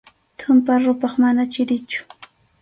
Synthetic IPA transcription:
t̪ʰʊmpaɾʊpɑχmanat͡ʃɪɾɪt͡ʃʊ̥

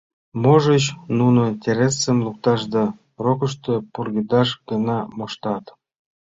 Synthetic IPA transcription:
moʒət͡ɕnunotʲeɾʲesəmluk̚t̪ɑʃd̪ɑ | rokə̆ʃt̪əpurɡid̪ɑʃɡenɑmoʃt̪ɑt̪

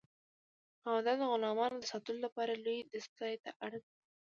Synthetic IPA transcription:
awad̪ɑd̪əɣʊlɑmɑnod̪əsɑt̪əlolapɑɾalojd̪əst̪ɑjt̪aʔaɽdi

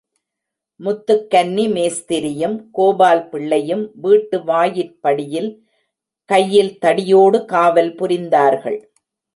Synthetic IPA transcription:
mʊt̪ːɯkːɐnːimeːst̪ɪɾɪjɯmkoːbaːlpɪɭːɐjɯmʋiːʈːɯʋaːjɪɾpːɐɽɪjɪl | kɐjːɪlt̪ɐɽɪjoːɽɯkaːʋɐlpʊɾɪnd̪aːɾɣɐ̰ɭ

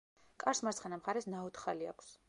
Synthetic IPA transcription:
kʼaɾsmat̪sχɛnamχaɾɛsnaɔt̪χalia̰kʰs

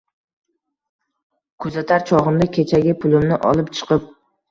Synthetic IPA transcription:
kʰɵzat̪ʰaɾt͡ʃʰɒʁɨmd̪akʲʰet͡ʃʰaɡʲɪpʰʊlɪmnɪʔɒ̰lˠɪpt͡ʃʰɨ̥qʰɨp̚

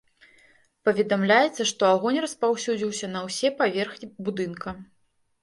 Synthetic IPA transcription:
pɐvʲɛd̪amlʲajɛt̪sːɐʂt̪ɔaɣɔnʲrɐspawsʲud͡zʲiwsʲɐnɐwsʲɛpavʲɛrxnʲibud̪ɨnkɐ

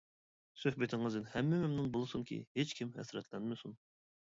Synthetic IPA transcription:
søhbɪt̪ʰɪŋɨzɨnhɛmːɪmɪmnunbolˠɨsuŋkʲḭhet͡ʃkʲʰimhɛ̰sɾɛt̪ʰlɛnmɨsun

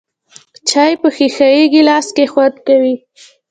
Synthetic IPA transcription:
t͡ʃɑjpəxixajeɡilɑskexwad̪kawi

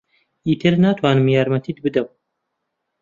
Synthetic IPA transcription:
iːt̪ʰɨɾnaːt̪ʰwaːnɨmjaːɾmɐt̪ʰiːd̪bɨd̪ɐw

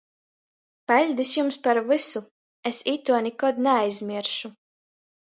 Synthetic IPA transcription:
pɛlʲd̪isjumspaɾvɨsu | esit̪uɔnɛkɔd̪nɛajzʲmʲiɛɾʃu

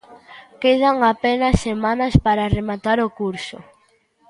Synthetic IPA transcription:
keð̞aŋapenɐsːemanɐspaɾaremat̪aɾokuɾsʊ̰

